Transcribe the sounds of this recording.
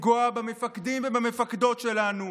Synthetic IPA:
ɡuabamefakd̪imvebamefakd̪o̞tʃelanu

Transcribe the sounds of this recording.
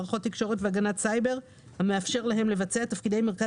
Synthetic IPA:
ʁaχo̞t̪ːikʃo̞ʁetveaɡanatsajbe̞ʁ | hame̞afʃe̞ʁlaɦe̞mle̞vat͡seatafkid̪ejme̞ʁka

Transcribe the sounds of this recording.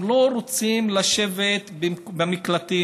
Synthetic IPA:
lo̞ɾot͡simlaʃe̞vet̪bbamiklat̪i

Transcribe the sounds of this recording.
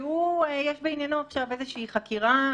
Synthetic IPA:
uejeʃbeinjanoaχʃavezeʃɛiχakiʁa

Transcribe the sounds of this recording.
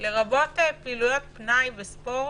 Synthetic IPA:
leʁabot̪epilujot̪̚pnajbespo

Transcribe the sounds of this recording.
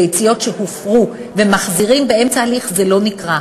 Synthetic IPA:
ejt͡sijo̞tʃehufʁu | vemaχziʁimbeemt͡saːliχzelo̞nikʁa

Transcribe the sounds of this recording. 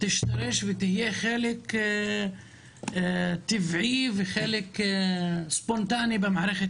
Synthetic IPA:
t̪ɪʃt̪ɑɾɪʃbɪt̪ɪhjeːʔxeːlɪk | t̪ɪfʕiːfxeːlɪk | sbʊnt̪aːnibɪmaʕɾˤɑxɪ

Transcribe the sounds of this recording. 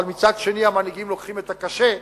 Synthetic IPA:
lmit͡sad̪ʃe̞niamaniɡimlo̞kχimet̪akaʃe̞

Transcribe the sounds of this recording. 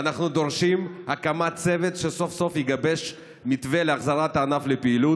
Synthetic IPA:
anaχnud̪o̞ʁʃimhakamat͡se̞vet̪ʃeso̞fso̞fjiɡabe̞ʃ | mit̪veleaχzaʁat̪anaflepeilu

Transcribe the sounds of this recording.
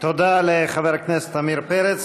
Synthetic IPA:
t̪od̪aleχaveʁaknese̥t̪amiɾpeɾet͡s

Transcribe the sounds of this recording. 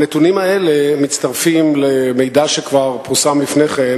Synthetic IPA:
net̪unimaele̞mit̪t͡st̪aʁfimle̞mejd̪aʃekvaʁpuʁsamlifneχen

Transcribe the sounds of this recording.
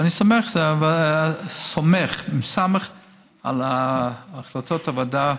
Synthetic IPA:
anisomeχzeava | someχmsameχ | a̰laːχlatotavada

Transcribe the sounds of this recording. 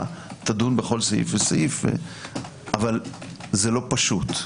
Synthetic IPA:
t̪ad̪unbeχo̞lsaḭfvesa̰ʔifvḛ | avalzelo̞paʃut̪

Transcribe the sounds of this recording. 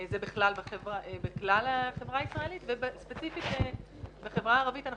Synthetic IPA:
zebiχlalbeχevaʔbeklalaχe̞vʁaisʁaelit̪vebespet͡sifit̪e | beχevʁaːʁavitana

